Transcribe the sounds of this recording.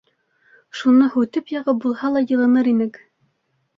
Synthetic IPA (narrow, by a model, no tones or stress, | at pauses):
ʃunɤhʉt̪ɘpjɑʁɤbulˠhɑlˠɑjɤ̆lˠɤ̆nɤɾinɘk